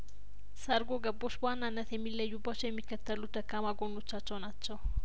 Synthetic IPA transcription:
səɾɡo̞ɡəbːo̞t͡ʃːbwanːanːət̪jɛmːilːəjːubat͡ʃːɛwjɛmːikːət̪ʰːəlut̪ʰːəkːamaɡono̞t͡ʃːat͡ʃːɛwnat͡ʃːɛw

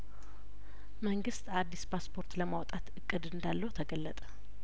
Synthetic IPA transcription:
məŋɡɨst̪ad̪ːispʰaspʰo̞ɾt̪ləmawt̪ʼat̪ɨkʼːɨd̪ɨnd̪alːəwt̪ʰəɡəlːət̪ʼə̥

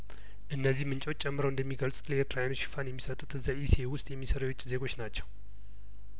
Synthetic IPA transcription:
ʔɨnːəzːihmɨnt͡ʃʼo̞t͡ʃʼːɛmːɨɾəwɨnd̪əmːiɡəlt͡sʼut̪ləeɾt̪ʰɾajanoʃi̥fanjɛmːisət̪ʼut̪ɨzːaʔisewʊst̪ʼjɛmːisəɾajwot͡ʃːʼze̞ɡo̞t͡ʃːnat͡ʃːɛw

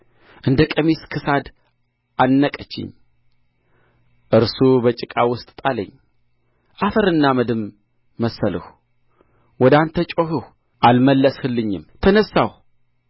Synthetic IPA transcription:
ʔɨnd̪əkʼəmiskʰɨsad̪ | anːəkʼət͡ʃːɪ̰ɲ | ʔɨɾsubət͡ʃʼɪkʼawʊst̪ʼt̪ʼalə̰ɲː | ʔafəɾɨnːaməd̪ɨmː | əsəlɨ̰h | wɔd̪ant̪ʰət͡ʃʼoɦɨh | ʔalməlːəshɨlːɨɲːɪmt̪ʰənəsːaw

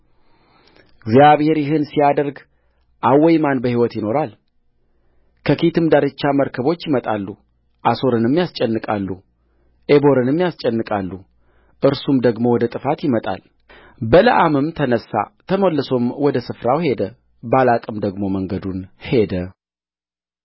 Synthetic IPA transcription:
ɡzjaβhe̞ɾjɪɦɨnsijad̪əɾɡ | ʔawːɛjmanbəhiwɔt̪jɪno̞ɾal | kʰəkʰit̪ʰɨmd̪aɾɨt͡ʃːaməɾkʰəβo̞t͡ʃːjɪmət̪ʼalːu | ʔaso̞ɾɨnɨmːjast͡ʃʼɛnːɨkʼalːu | ʔebo̞ɾɨnɨmːjast͡ʃʼɛnːɨkʼalːu | ʔɨɾsumd̪əɡmo̞wɔd̪ət̪ʼɨfat̪jɪmət̪ʼa̰l | bələʔamɨmt̪ʰənəsːa̰t̪ʰəməlːɨso̞mwɔd̪əsɨfɾawhe̞d̪ə | balakʼɨmd̪əɡmo̞məŋɡəd̪unhe̞d̪ə

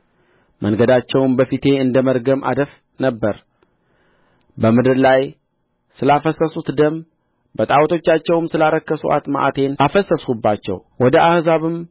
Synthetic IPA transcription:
mʔəŋɡəd̪at͡ʃːɛwnbəfit̪ʰe̞ɨnd̪əməɾɡəmʔa̰d̪əf | nəbːəɾ | bəmɨd̪ɨɾlaj | sɨlafəsəsut̪d̪əm | bət̪ʼawt̪ʰo̞t͡ʃːat͡ʃːɛwmsɨlaɾəkːəsṵʔa̰t̪ma̰ʔa̰t̪ʰe̞nʔafəsːəsubːat͡ʃːɛ̰wwɔd̪əʔahzaβɨm

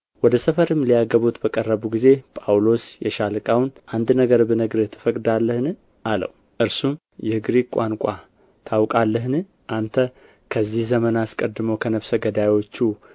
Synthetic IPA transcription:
wɔd̪əsəfəɾɨmːlijaɡəβut̪bəkʼərːəβuɡize̞pʼawlo̞sjɛʃalɨkʼawnʔand̪nəɡəɾbɨnəɡɾet̪ʰːɨ̥fəkʼd̪alːəhnɨ | alə̰w | ʔɨɾsum | jɛɨɡɾikʷʼankʷʼa | t̪ʰawkʼalːəɦnɨ | ʔant̪ʰə | kʰəzːihzəmənaskʼəd̪ːɨməwkʰənəβsəɡəd̪ajwo̞t͡ʃːu

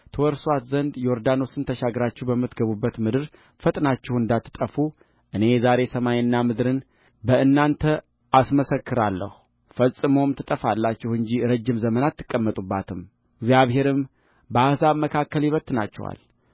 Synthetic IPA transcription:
t̪ʰəwɔɾswat̪zənd̪jɛoɾd̪ano̞sɨnt̪ʰəʃaɡɾat͡ʃːɛwbəmːɨt̪ɡəβubːət̪mɨd̪ɨɾ | fət̪ʼnat͡ʃːɛhɨnd̪at̪ʰːɨ̥t̪ʼəfu | ʔɨne̞zaɾe̞səmajnːamɨd̪ɾɨn | bəɨnːant̪ʰə | ʔasməsəkʰːɨɾalːə̰hu | fəsʼɨmo̞mt̪ʰɨt̪ʼəfalːat͡ʃːɛhɨɲd͡ʒiɾəd͡ʒːɪmzəmənat̪ʰːɨkʼːəmːət̪ʼubːat̪ʰɨm | ɡzjaβɦe̞ɾɨm | bəahsaβməkʰakːəljɪβət̪ːna̰t͡ʃːɛ̰wa̰l

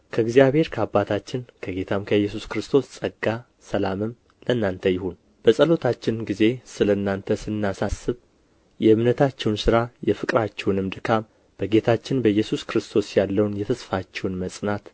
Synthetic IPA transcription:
kʰəɨɡzijaβhe̞ɾkʰəabːat̪ʰat͡ʃːɪnkʰəɡe̞t̪ʰamkʰəjːɛsuskɾɨst̪ʰo̞ssʼəɡːa | səlamɨm | lənːant̪ʰəjɪhun | b̥əsʼəlo̞t̪ʰat͡ʃːɪnɡize̞sɨlənːant̪ʰəsɨnːasasːɨβ | jɛɨmnət̪ʰat͡ʃːɛwnsɨɾajɛfɨkʼɾat͡ʃːɛwnɨmd̪ɨkʰam | b̥əɡe̞t̪ʰat͡ʃːɪnbəjːɛsuskɾɨst̪ʰo̞sjalːəwnjɛt̪ʰəsfat͡ʃːɛwnməsʼnat̪

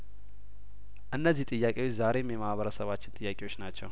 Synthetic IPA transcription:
ʔɨnːəzːiht̪ʼɨjːakʼewo̞t͡ʃːzaɾe̞mjɛmahβəɾəsəβat͡ʃːɪnt̪ʼɨjːakʼewo̞t͡ʃːnat͡ʃːɛw

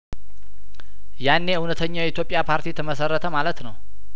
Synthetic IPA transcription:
janːe̞ɨwnət̪ʰəɲːawjɛit̪jo̞pʼːjapʰaɾt̪ʰit̪ʰəməsərːət̪ʰəmalət̪nəw

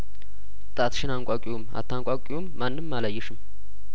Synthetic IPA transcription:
t̪ʼat̪ʃɪnaŋkʷʼakʼijuma̰t̪ʰːaŋkʼakʼɪjumːanːɨmːaləjːɪʃɨm

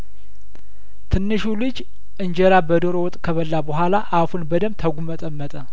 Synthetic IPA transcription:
t̪ʰɨnːɨʃulɨd͡ʒ | ʔɨɲd͡ʒɛɾabəd̪oɾowɔt̪ʼkʰəβəlːabəɦʷalaʔafunbəd̪əmt̪ʰəɡʷumət̪ʼəmːət̪ʼə

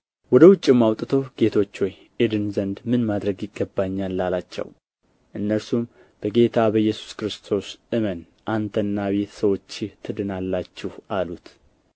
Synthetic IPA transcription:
wɔd̪əwʊt͡ʃʼːɪmːawt̪ʼɨt̪ʰəwɡe̞t̪ʰo̞t͡ʃːwɔj | ʔed̪ɨnzənd̪mɨnmad̪ɾəɡjɪɡːəbːaɲːalːalat͡ʃːɛ̰w | ʔɨnːəɾsum | b̥əɡe̞t̪ʰabəjːɛsu̥skɨɾɨst̪ʰo̞sʔɨmən | ʔant̪ʰənːaβet̪səwo̞t͡ʃːɪt̪ʰːɨd̪ɨnalːat͡ʃːɪhʔalut̪

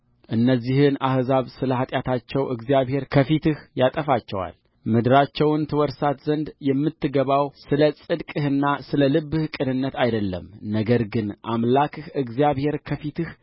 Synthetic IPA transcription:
ʔɨnːəzːihɨnahzaβsɨləhat̪ʼjat̪ʰat͡ʃːɛwʔɨɡzijaβhe̞ɾkʰəfit̪ɨhjat̪ʼəfat͡ʃːɛwa̰l | mɨd̪ɨɾat͡ʃːɛwnt̪ʰɨwɔɾsat̪zənd̪jɛmːɨt̪ːɨɡəβawsɨləsʼɨd̪kʼɨhɨnːasɨləlɨbːɨhɨkʼɨnɨnːət̪ʰajd̪əlːə̰mnəɡəɾɡɨnʔamlakʰɨhɨɡzijaβhe̞ɾkʰəfit̪ʰɨh

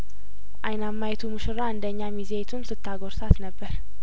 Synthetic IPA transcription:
ʔajnamːajɛt̪ʰumɨʃɨɾaɨnd̪əɲːamizet̪ʰunsɨt̪ʰːaɡoɾsat̪nəbːəɾ

